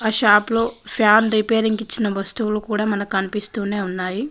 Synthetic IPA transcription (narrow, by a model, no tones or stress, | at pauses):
aːʃaːploːpʰjaːnɾipeːɾiŋɡit͡ʃːinɐbɐst̪uwulukuːɽaːmɐnɐkɐnipist̪uːne̞ːunːaːji